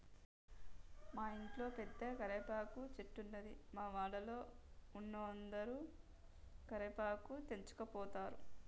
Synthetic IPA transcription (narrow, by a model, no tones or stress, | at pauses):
maːiɳʈlo̞ːped̪ːekɐɾepaːkut͡ʃeʈːunːɐd̪ḭmaːʋaːɽɐlo̞ːunːoːnd̪ɐɾuː | kɐɾepaːkut̪e̞ɲt͡ʃu̥kɐpɔːt̪aːɾu